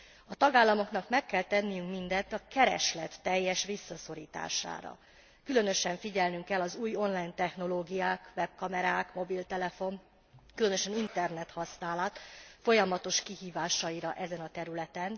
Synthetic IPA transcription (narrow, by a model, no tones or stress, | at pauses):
ɒt̪ɒɡaːlːɒmo̞knɒkmɛkːɛlt̪ɛnːijyŋkmind̪ɛt̪ːɒkɛɾɛ̰ʃlɛt̪ːɛjːɛʃʋisːɒso̞ɾiːt̪a̰ːʃa̰ːɾɒ̰ | kylø̞n̪ø̞ʃɛɱfiɟɛlnyŋkɛlːɒzuːjo̞nlaːjnt̪ɛxn̪o̞loːɡijaːkʋɛb̚kɒmɛɾaːkmo̞bilt̪ɛlɛfo̞n | kylø̞nøʃɛnint̪ɛrnɛt̪hɒsnaːlat̪fo̞jɒmɒt̪o̞ʃkiɦiːvaːʃɒiɾɒʔɛzɛnɒt̪ɛɾylɛt̪ɛn